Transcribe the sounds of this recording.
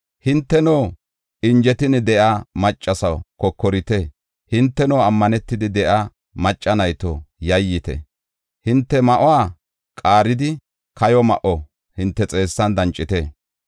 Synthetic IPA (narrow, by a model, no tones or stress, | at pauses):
hɪnt̪ːɛnoː | ʔɪnd͡ʒɛt̪ɪnɪd̪ɛʔamɐt͡ʃʼːɐsɐwkɔkːɔɾɪt̪ɛ | hɪnt̪ːɛnoːɐmːɐnɛt̪ːɪd̪ɪd̪ɛʔa | mɐt͡ʃʼːɐnɐjt̪ɔjɐjːɪt̪ɛ̰ | hɪnt̪ːɛmɐʔɔwaː | kʼaːɾɪd̪ɪ | kʰɐjɔmɐ̰ʔɔ | hɪnt̪ːɛt͡sʼe̞ːsːɐnd̪ɐnt͡ʃʼːɪt̪ɛ